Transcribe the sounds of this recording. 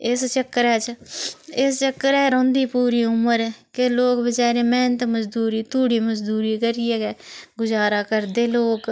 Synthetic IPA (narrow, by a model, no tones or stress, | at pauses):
ɪst͡ʃəkːəɾɛːt͡ʃ | ɪst͡ʃəkːəɾɛːɾõːnd̪iːpuːɾiːʊməɾkeloːkbət͡ʃaːɾeːmɛ̃ːnət̪məzd̪uːɾiːt̪ʊɽiːməzd̪uːɾiːkəɾiːɛːɡɛːɡʊzaːɾaːkəɾd̪eːloːk